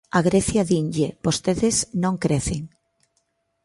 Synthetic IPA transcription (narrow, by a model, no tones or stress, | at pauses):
aɣɾeθjaðiɲʎebost̪eðeznõŋkɾeθeŋ